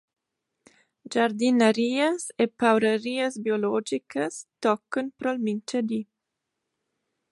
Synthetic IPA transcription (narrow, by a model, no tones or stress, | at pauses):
d͡ʒaɾd̪inəɾiːəsepawɾəɾiːəsbjolɔd͡ʒikʰəst̪ɔkːənpɾɔlmint͡ʃəd̪i